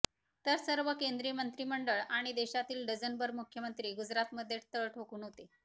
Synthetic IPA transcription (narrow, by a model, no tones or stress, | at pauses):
t̪əɾsəɾʋəkend̪ɾijəmənt̪ɾiːməɳɖəɭaɽ̃id̪eɕat̪iːlɖəd͡zənbəɾmukʰjəmənt̪ɾiːɡud͡zɾat̪məd̪ʱːjet̪əɭʈʰokuːnɦot̪e